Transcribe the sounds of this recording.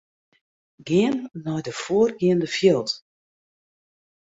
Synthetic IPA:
ɡɪənːɔjdəfoərɡɪəndəfjɪlˠt

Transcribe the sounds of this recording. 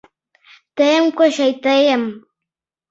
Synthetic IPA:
t̪ajaŋkʷaʃajt̪ajam

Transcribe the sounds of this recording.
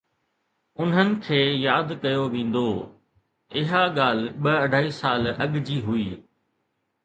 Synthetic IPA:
ʊnɦənɪ̆kʰeːjaːd̪kɐjoʋẽːn̆d̪oː | ɪɦaɠaːl̤ɓɐɐɖʱaːisaːlɐɠd͡ʑiːɦuiː

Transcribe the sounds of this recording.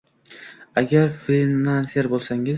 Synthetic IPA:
aɡʲaɾfinanseɾbolˠsaŋɪz

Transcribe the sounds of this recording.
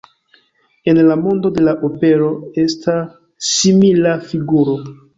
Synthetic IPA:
e̞nlamo̞ndo̞de̞laʔope̞ɾo̞e̞stʰa | imilafiɡuɾo̞

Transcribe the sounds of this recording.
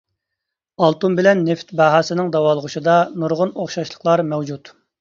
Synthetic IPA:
ɑlˠt̪umbɪlɛnːeft̪bɑɦɑːsɪnɪŋd̪ɑwɑːlˠʁʊʃɨd̪ɑnuɾʁʊnoχʃɑʃlˠə̥qlˠɑɾmɛwd͡ʒut̪

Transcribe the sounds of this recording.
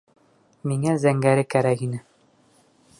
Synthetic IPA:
miŋæzæŋɡæɾɘkæɾækinɘ

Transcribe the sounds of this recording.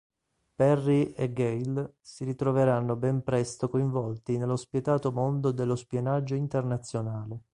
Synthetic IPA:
pɛrːieɡɛjl | siɾit̪ɾoveɾanːobɛmpɾɛst̪okoiɱvɔlt̪inelːospet̪aːt̪omond̪od̪elːospienad͡ʒːoint̪ernat̪sːjonaːle

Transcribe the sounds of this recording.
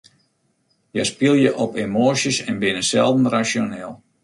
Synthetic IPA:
jəspiəlˠjəʔɔpemoːsəsɛnbɪnəsɛlˠdn̩rasjonɛːlˠ

